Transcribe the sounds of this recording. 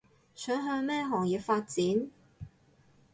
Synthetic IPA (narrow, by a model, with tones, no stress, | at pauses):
sœː˨˥ŋɦœː˧ŋmɛː˥ɦɔː˨˩ŋjiː˨p̚faː˧t̚t͡siː˨˥n